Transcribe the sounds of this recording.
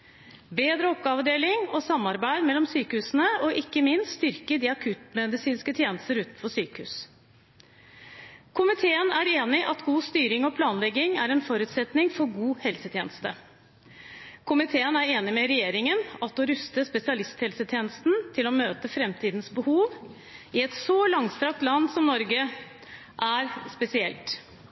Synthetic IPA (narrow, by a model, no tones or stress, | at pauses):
beːd̪ɾəɔp̚ɡɑɑːʋəd̪eːlɪŋɔsɑmːɑɾbæɪd̪mɛlːɔmsyːkəhʉːsən̩əɔʔɪkːəmɪnst̪st̪ʏɾkəd̪iːɑkʰʉt̪mɛd̪ɪsiːnskət̪ʰjeːnəst̪əɾʉːt̪n̩fɔʂsyːkəhʉ̰ːs | kʰʊmɪt̪ʰeːənæɾeːnɪʔɑt̪ɡuːst̪yːɾɪŋɔpʰlɑːnlɛɡɪŋæɾɛnfɔɾʉːt̪sɛt̪nɪŋfɔɾɡuːhɛlsət̪ʰjeːnəst̪ə | kʰʊmɪt̪ʰeːənæɾeːnɪmɛɾɛjeːɾɪŋənɑt̪ɔɾʉst̪əspɛsɪɑlɪst̪hɛlsət̪ʰjeːnəst̪n̩t̪ʰɪlɔmøːt̪əfɾɛmt̪ʰiːd̪nsbəhuːʋ | ɪɛt̪sɔlɑŋst̪ɾɑk̚t̪lɑnːsɔmnɔɾɡə | ʔæɾspɛsɪɛlt̪